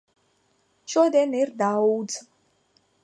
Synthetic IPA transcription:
ʃɔd̪ɛnɛɾd̪auz

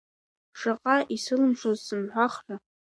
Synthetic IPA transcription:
ʂaqʼaʔisɨlɨmʂozsɨmħʷaχra

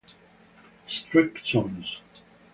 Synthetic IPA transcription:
stɹ̥ɪksɔ̃nz̥

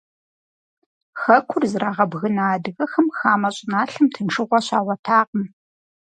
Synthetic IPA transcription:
xɐkʷʰʊrzɨɾaːʁɐbɣɨnaːdɨɣɐxɐmxaːmɐɕʼɪnaːɬɨmtʰɨnʂɨʁʷɔɕaːwʷɐtʰaːqəm

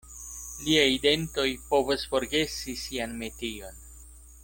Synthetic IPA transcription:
liajide̞nto̞jpo̞vusfo̞ɾɡe̞sisianme̞tio̞n

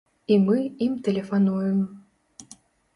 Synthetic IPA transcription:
imɨimt̪ɛlʲefanujum

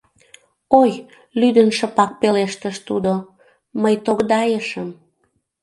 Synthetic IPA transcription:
oj | lyd̪ənʃəpɑk̚peleʃt̪əʃt̪ud̪o | məjt̪oɣd̪ɑjəʃəm

